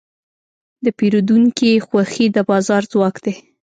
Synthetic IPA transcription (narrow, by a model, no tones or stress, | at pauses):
d̪əpiɾud̪uŋkixwaxid̪əbɑzɑɾzwɑkd̪̥e